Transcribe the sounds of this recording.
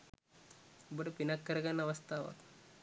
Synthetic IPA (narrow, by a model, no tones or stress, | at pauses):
bəɽpinakːəɾɡanaʋəst̪aʋa̰